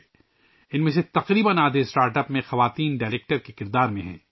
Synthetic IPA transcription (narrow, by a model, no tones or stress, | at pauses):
ɪnmẽset̪ɐqɾiːbənaːd̪ʱesʈaːɾʈɐpmẽxɐʋaːt̪iːnɖaːleːk̚ʈəɾkekɪɾd̪aːɾmẽɦɛ̰̃ː